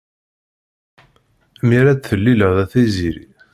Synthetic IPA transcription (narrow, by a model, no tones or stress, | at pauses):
miɾæt͡sθəlːiləʁðæθiziɾḭ